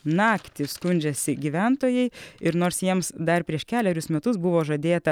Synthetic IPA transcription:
nɑːkt̪ʲɪskʊnʲd͡ʒʲɛsʲɪɡʲiʋʲænt̪oːjɛɪɪɾnoːɾsjiɛmsd̪ɐrpʲɾʲiɛʃkʲæːlʲɛɾʲʊsmʲɛt̪ʊsbʊʋoːʒɐd̪ʲeːt̪ɐ

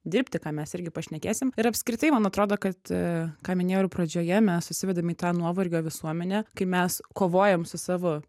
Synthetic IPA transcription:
d̪ʲɪɾʲpʲt̪ʲɪkɑːmʲɛsɪɾʲɡʲɪpɐʃʲnʲɛkʲeːsʲɪmɪɾɐpʲskɾʲɪt̪ɐɪmɐnɐt̪ɾoːd̪oːkɐt̪kɑːmʲɪnʲeːjupɾɐd͡ʒʲoːjɛmʲɛssʊsʲɪʋʲɛd̪ɐmiːt̪ɑːnuɔʋɐrʲɡʲoːʋʲɪsuɔmʲɛnʲɛkɐɪmʲɛskoːʋoːjɛmsʊsɑːʋo

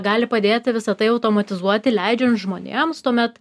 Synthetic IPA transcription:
ɡɑːlʲɪpɐd̪ʲeːt̪ʲɪʋʲɪsɐt̪ɐɪɐʊt̪oːmɐt̪ʲɪzuɔt̪ʲɪlʲæɪd͡ʒʲɛnt̪ʒmoːnʲḛːmst̪uɔmʲɛt̪

